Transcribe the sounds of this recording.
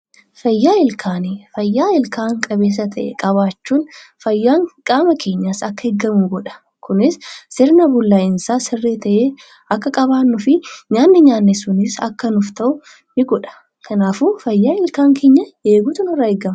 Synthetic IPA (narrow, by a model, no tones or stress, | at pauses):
fɐjːaːɪlkʰaːnifɐjːaːɪlkʰaːŋkʼɐβe̞ːs̬ɐt̪ʰɐʔɛ̰kʼɐβaːt͡ʃːuːnfɐjːaːŋkʼaːmɐkʰe̞ːɲːaːsɐkːɐhɛɡːɐmuːɡɔᶑɐ̥ | kʊnɪsːɪɾnɐbʊlːaːjɪnsaːsɪrːeːt̪ʰɐʔeː | ɐkːɐkʼɐβaːnːʊfɪɲaːnːɪɲaːnːɛsʊnɪsɐ̰kːɐnʊft̪ɐʔʊ | nɪɡɔᶑɐ̥ | kʰɐnaːfuːfɐjːaːɪlkaːŋke̞ːɲːɐeːɡut̪ʊnɪrːɐɛɡːɐmɐ